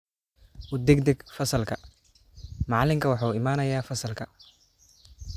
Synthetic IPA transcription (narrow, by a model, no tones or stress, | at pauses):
ʔʊd̪ɛɡd̪ɛɡfɐsɐlkʰɐ | mɑʕlɪmkʰɐwɑħuːɪmaːnɐjaːfɐsɐlkʰɐ